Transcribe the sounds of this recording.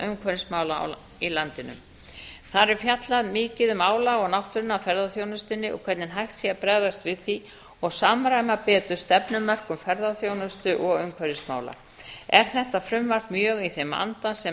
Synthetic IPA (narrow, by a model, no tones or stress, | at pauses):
ʔʏmkʰvœɾɪsmaːwlaa̰w | ilant̪ɪnʏ̰m | θaɾɛɾ̥fjat̪laðmɪːcɪðʏmaːwlaɔɣnawht̪ʏɾʏnːawfɛɾðaθjoːwnʏst̪ɪnːɪʔɔ̰kʰɛɾt̪nɪnɦajht̪siapɾɛːðast̪vɪðθi | ɔɣsaːmɾajmapɛːt̪ʏɾ̥st̪ɛpnʏmːœr̥kʏmfɛɾðaθjoːwnʏst̪ʏʔɔɣʏmkʰvœɾɪsma̰ːwla̰ | ɛɾ̥θɛht̪afɾʏmvar̥kmjœːɣiθema̰nt̪asɛ